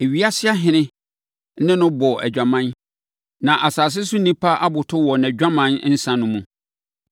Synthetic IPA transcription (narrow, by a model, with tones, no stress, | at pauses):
e˨ɥi˦a˦sɪ˦a˦ɦɪ̃˨nɪ̃˦ | nɪ̃˦nʊ̃˦bɔ˨ʔɛ̰˨d͡ʑᶣã˨mã˦n | nã˨ʔa˨saː˨s̬ɪ˦sʊ˦nĩ˦pʰa˦ʔa˦bʊ˨tʰʊ˦wɔ˨n˨æ˨d͡ʑᶣa˦mã˦n˦n̩˦sã˦nʊ̃˦mũ˨